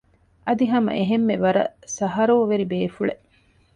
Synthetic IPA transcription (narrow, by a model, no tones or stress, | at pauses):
ɐd̪iɦɐmɐ̰ʔeɦemːeʋɐɾɐ̰sɐɦɐɾoːʋeɾibeːfuɭe